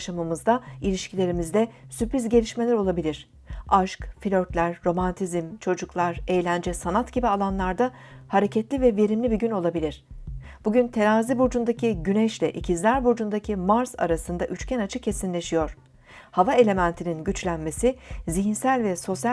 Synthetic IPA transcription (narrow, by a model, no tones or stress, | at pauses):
ʃamamɯzd̪ailʲiʃcʰilʲe̞ɾimizd̪ɛsypɾizɟe̞lʲiʃme̞lʲɛɾo̞lˠabilʲiɾ̥ | aʃkfilʲøɾt̪lʲæɾːo̞mant̪ʰizimt͡ʃʰo̞d͡ʒuklˠaɾe̞jlʲænd͡ʒɛsanat̪ɟibialˠanlˠaɾd̪a | haɾe̞cʰɛt̪lʲivɛve̞ɾimlʲibiɟyno̞lˠabilʲiɾ̥b̥uɟynt̪ʰe̞naːzibuɾd͡ʒund̪acʰiɟynɛʃlʲɛʔicʰizlʲæɾbuɾd͡ʒund̪acʰimaɾsa̰ɾasɯnd̪aʔyt͡ʃcʰɛnat͡ʃʰɯcʰːe̞sinlʲe̞ʃijo̞ɾ̥ | havae̞lʲe̞mænt̪ʰininɟyt͡ʃlʲænme̞siziçinsælʲvɛso̞sja